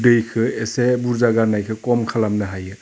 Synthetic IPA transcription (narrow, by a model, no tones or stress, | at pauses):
dɯjkʰɯesebuɾzaɡanajkʰɯkɔmkʰalamnɯɦajɯ